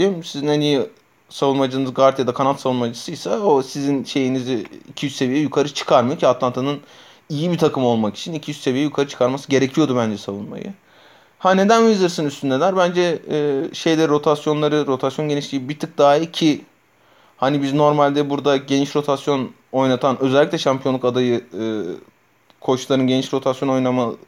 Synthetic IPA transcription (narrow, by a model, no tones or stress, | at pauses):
msizinhani | savunmad͡ʒɯnɯzɡaɾt̪jad̪akʰanat̪savunmad͡ʒɯsɯjsaosizinʃe̞jiniziicʰijyt͡ʃse̞vijɛjukʰaɾɯt͡ʃʰɯ̥kʰaɾmɯjocʰiat̪lˠant̪ʰanɯn | ijibit̪ʰakʰɯmo̞lˠmaki̥t͡ʃʰinicʰijyt͡ʃ̪se̞vijɛjukʰaɾɯt͡ʃʰɯ̥kʰaɾmasɯɟe̞ɾecʰijo̞d̪ubænd͡ʒɛsavṵnma̰jɯ̰ | hane̞d̪ænvizɯɾsɯnyst̪ʰynd̪elʲæɾbænd͡ʒɛːʃe̞jd̪ɛɾo̞t̪ʰasjo̞nlˠaɾɯɾo̞t̪ʰasjo̞nɟe̞niʃʲiibit̪ʰɯk̚d̪aːicʰi | hanibizno̞ɾmalʲd̪ɛbuɾd̪aɟe̞niʃɾo̞t̪ʰasjo̞n | o̞jnat̪ʰanø̞zɛlʲːiclʲɛʃampʰijo̞nˠukad̪ajɯɯː | kʰo̞ʃlˠaɾɯnɟeniʃɾo̞t̪ʰasjo̞no̞jnama